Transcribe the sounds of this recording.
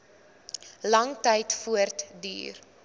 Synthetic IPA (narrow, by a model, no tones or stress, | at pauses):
lɐŋtɛjtfuərtdy̰ːr